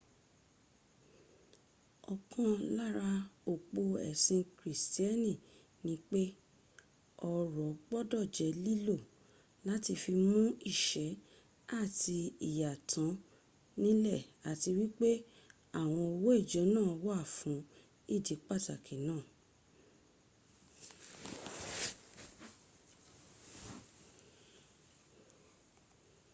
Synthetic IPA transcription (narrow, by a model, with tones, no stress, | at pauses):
ɔ˨kʰã˨˧la˦ɾa˧o˨k͡po˧ɛ̰˨sĩ˧kɾi˨sti˦ɛ˦nĩ˦˨ | nĩ˧˦k͡pe˦ | ɔ˧ɾɔ˨˦ɡ͡bɔ˦dɔ˦˨d͡ʒɛ˨˦li˦lo˦˨ | la˨˦ti˧fi˧mũ˦i˦˨ʃɛ˨˦ | a˦˨ti˧i˨ja˨tʰã˨˦ | nĩ˦lɛ˦˨a˨ti˧wi˦k͡pe˦ | a˦˨w̃ɔ̃˧ɔ˧wɔ˦i˦˨d͡ʒɔ˨˦nãː˦˨ɔ˧wɔ˦a˦˨fũ˨˦ | i˦˨di˨˦k͡pa˦˨ta˨kʰi˨˦nãː˦˨